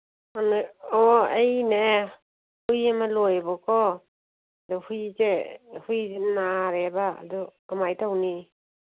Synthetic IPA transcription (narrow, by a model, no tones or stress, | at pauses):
anɯɔejne | hujamalɔjbɔkʰɔ | dɔhujzehujzenaɾeba̰ːdɔamajtʰawni